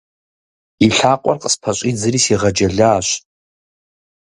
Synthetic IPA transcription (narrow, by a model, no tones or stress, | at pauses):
iɬaqʷʼa̰rqʼspʰat͡ʃʷʼid͡zɨrisiʁad͡ʒaɮaːʃʷ